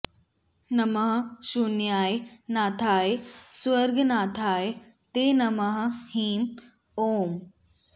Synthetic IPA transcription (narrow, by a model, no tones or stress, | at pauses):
nɐmɐɦɐʃunjaːjnaːt̪ʰaːjswɐɾɡnaːt̪ʰaːj | t̪eːnɐmɐɦɐhiːm | oːm